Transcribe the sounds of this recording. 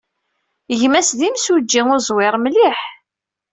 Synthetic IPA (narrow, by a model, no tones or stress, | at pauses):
əʝmæsðimsud͡ʒːiŋʊzˤwɪɾˤmliħ